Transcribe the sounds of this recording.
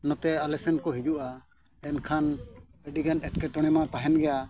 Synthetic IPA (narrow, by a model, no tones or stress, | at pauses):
nɔt̪ɛalɛsɛnkɔɦid͡ʒuʔa | ɛnkʰanɛɖiɡanɛʈ̚kɛʈɔɽ̃ɛmat̪aɦɛnɡɛja